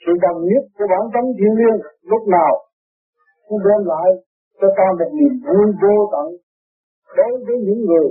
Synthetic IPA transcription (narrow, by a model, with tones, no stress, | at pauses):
sɨ̰˧˨ɗə˨˩wɲi˦˥ət̚ku˧˩˦əɓaː˧˦nt̪ə˨˦ŋt̪ʰi˧əwli˧ənlʊ˦˥k͡p̚naː˨˩w | ɗɛ˧nla̰ː˧˨j | t͡ɕɔ˧t̪aː˧mo˨˩t̚ni˨˩əmzu˧jvo˧t̪a̰˧˨ŋ | ɗo˨˦jvəː˨˦jɲɨ̰˧˥ŋːɨ˨˩əj